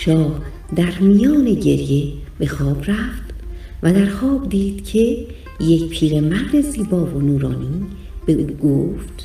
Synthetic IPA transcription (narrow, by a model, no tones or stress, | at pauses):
ʃɒːh | d̪æɾmijɒːne̞ɟe̞ɾje̞ | b̥e̞xɒːb̥ræft̪ | væd̪æɾxɒːbd̪iːd̪̥cʰe̞ | jecpʰiːɾemæɾd̪e̞ziːbɒːvonuːɾɒ̰ːni | b̥euːɡ̥oft̪